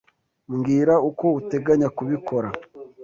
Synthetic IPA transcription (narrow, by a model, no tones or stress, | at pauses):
ŋɡiɾauko̞ute̞ɡaɲakuβikʰo̞ɾa